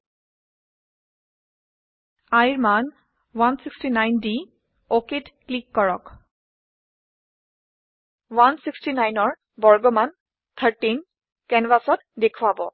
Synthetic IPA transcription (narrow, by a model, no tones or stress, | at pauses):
ajɹman | wansikstinajndi | okitklikːɔɹɔk | wansikstinajnɔɹ | bɔɹɡɔman | t̪ʰəɹtin | kɛnvasɔtdekʰuabɔ̰